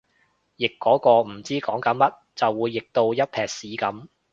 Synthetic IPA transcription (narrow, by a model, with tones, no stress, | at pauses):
jɪ˨kːɔː˨˥kɔː˧m̩˨˩t͡siː˥kɔː˨˥ŋkɐ˨˥nmɐ˥t̚t͡sɐ˨wwuː˨˧jːɪ˨k̚t̪o˧wjɐ˥t̚pʰɛː˨˩k̚siː˨˥kɐ˨˥m